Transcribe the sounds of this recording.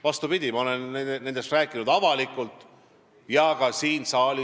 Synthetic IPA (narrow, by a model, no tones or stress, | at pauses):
vɑst̪ubid̪̥ʲimɑo̞lenːene̞nd̪̥est̪ræːkːˑinud̪ɑvɑlikːult̪ˑ | jɑɡɑsiːnsɑːli